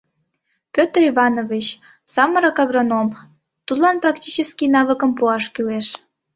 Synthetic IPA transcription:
pʲøt̪rivɑnovit͡ɕ | sɑməɾəkɑɣronom | t̪ud̪lɑnprɑktʲit͡ɕəskinɑβəkəmpuɑʃkyleʃ

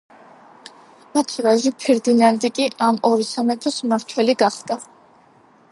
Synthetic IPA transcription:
mat̪ʰivaʒipʰɛɾd̪inand̪ikʼiamɔɾisamɛt̪ʰɔsmaɾt̪ʰwɛliɡaχɡ̪a

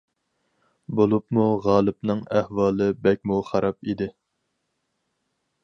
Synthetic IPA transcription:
bolˠupmuʁɑːlˠɨpnɨŋæhwɑːlˠɨbɛk̚ʲmuχɑɾɑpid̪ɪ

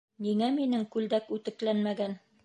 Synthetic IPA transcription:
niŋæminɘŋkʉld̪ækʉt̪ɘ̆klænmæɡæn

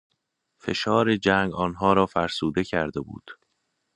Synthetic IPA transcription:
fe̞̰ʃɒːɾed͡ʒæːŋɡɒːnɦɒːɾɒːfæɾsuːd̪e̞cʰæɾd̪e̞bṵːd̪̥

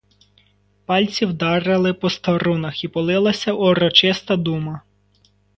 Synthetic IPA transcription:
pɑlʲt͡sʲiwd̪ɑɾɪlˠɪpɔst̪ɔɾunɐxipɔlˠɪlˠɐsʲɐʔɔɾɔt͡ʃɪst̪ɐd̪umɐ

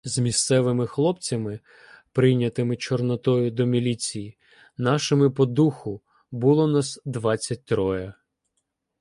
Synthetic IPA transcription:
zmʲist̪sɛʋɪmɪxlˠɔpt͡sʲɐmɪ | pɾɪjnʲɐt̪ɪmɪt͡ʃɔrnɔt̪ɔjʊd̪ɔmʲilʲit͡sʲiji | nɑʃɪmɪpɔd̪uxʊ | bʊlˠɔnɑsd̪ʋɑt͡sʲːɐt̚ʲt̪ɾɔjɐ

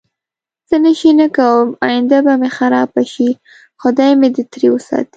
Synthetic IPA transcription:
z̥ənəʃinakawəmɑ̰jɪnd̪abamexaɾɑbaʃi | xʊd̪ɑjmed̪ət̪ɾewəsɑ̰t̪i̥

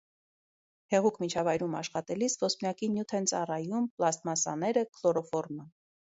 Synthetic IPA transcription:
hɛʁukʰmit͡ʃʰɑvɑjɾumɑʃχɑt̪ɛlisvɔspnjɑkinjut̪ʰɛnt͡sɑrɑjumplɑst̪mɑsɑ̰nɛɾəkʰlɔɾɔfɔɾmə

